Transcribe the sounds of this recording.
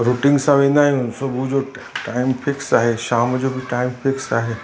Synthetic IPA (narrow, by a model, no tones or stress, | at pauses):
ɾuːʈɪ̃ŋɡsãʋẽːnd̪aːɦĩʊ̃nsobʱud͡ʑo | ʈaːɪmpʰɪksaːɦeʃaːmd͡ʑobʱiʈaːɪmpʰɪksaːɦe